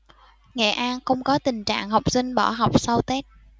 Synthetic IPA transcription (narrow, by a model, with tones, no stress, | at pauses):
ŋɛ̰˧˨ʔaː˧nxə˧wŋ͡mkɔ˨˦t̪ï˨˩ŋ̟t͡ɕa̰ː˧˨ŋɦa˨˩wk͡p̚sï˧ŋ̟ɓɔ˧˩ɦa˨˩wk͡p̚sa˧wt̪ɛ˦˥t̚